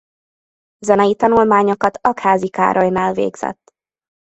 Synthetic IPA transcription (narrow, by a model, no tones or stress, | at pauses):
zɛnɛjit̪ɒnulmaːɲokɒt̪ʰɒkhaːzika̰ːɾʔɒjnaːlvḛːɡz̥ɛ̰t̪ː